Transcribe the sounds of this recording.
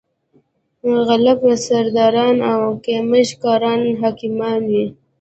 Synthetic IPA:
ɣalabasaɾd̪ɑɾɑnawkeməʃkɑːɾɑnɦɑkimɑnwi

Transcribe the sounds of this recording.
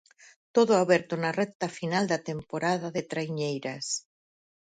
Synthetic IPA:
t̪oðʊaβɛɾt̪onarɛk̚t̪afinald̪at̪empoɾaðaðet̪ɾajɲejɾas

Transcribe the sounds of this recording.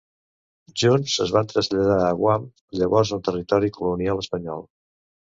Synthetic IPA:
ʒunzəzβant̪ɾəzʎəðaːɣwam | ʎəβɔɾzənt̪ərit̪ɔɾikulunialəspəɲɔ̰lˠ

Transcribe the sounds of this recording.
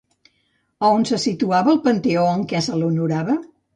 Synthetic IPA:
əonsəsit̪uaβəːlˠpənt̪eoəŋkɛsəlunuɾaβə

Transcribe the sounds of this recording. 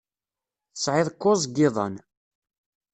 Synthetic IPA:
θəsʕɪðˤkːʊzɡɪðˤɑ̰n

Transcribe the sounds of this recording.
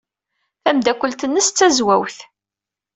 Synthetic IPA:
θæmd̪ækʷːəlt̪ənːəst͡sːæzwæwθ

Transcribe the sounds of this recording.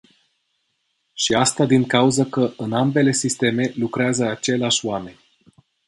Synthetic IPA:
ʃiast̪ad̪iŋkauzəkəʔɨnambe̞le̞sist̪e̞me̞lukɾeazəat͡ʃe̞leaʃʲoame̞nʲ

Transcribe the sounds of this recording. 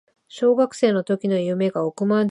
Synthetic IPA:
ɕo̞ːɡakɯ̟̥se̞ːno̞t̪o̞kʲino̞jɯ̟me̞ɡaokɯ̟man

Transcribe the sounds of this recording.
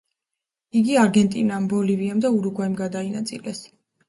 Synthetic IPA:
iɡiaɾɡɛnt̪ʼḭnambɔliviamd̪auɾuɡwaimɡad̪ainat̪sʼḭlɛs

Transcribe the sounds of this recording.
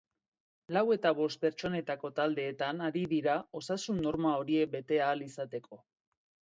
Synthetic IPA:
lawe̞t̪aβo̞st̪̚pe̞ɾt͡ʃo̞ne̞t̪ako̞t̪ald̪e̞ːt̪anaɾiðiɾao̞sasunːo̞ɾmao̞ɾie̞k̚be̞t̪e̞aːlisat̪e̞kʰo̞

